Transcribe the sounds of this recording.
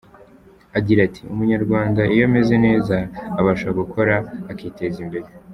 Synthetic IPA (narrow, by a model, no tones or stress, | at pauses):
aɡiɾatʰiṵmuɲaɾɡwaːndaʔijo̞meze̞ne̞ːzaːβaʃoβaɡukʰo̞ɾaːkiːte̞ːzimbe̞ɾe